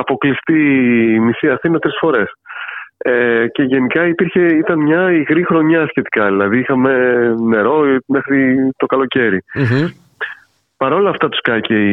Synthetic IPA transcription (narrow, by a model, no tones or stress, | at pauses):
ɐpo̞klist̪imisiɐθinɐt̪ɾisfo̞ɾe̞s | ece̞ʝe̞nikɐipiɾçe̞it̪ɐnmɲɐiɣɾixɾo̞ɲɐːsçe̞t̪i̥kɐðilɐðiixɐme̞ne̞ɾo̞mexɾit̪o̞kɐlo̞ce̞ɾi | pɐɾo̞lɐːft̪ɐt̪u̥skɐcei